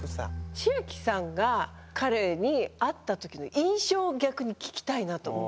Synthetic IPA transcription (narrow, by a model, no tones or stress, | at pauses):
a̰ɕiakʲi̥sãŋɡa | kʰaɾe̞ɲ̟iat̪ːat̪o̞kʲino̞̰ʔĩɰ̃ɕo̞ːɡʲakɯ̟ɲ̟ikʲi̥kʲi̥t̪ainat̪oo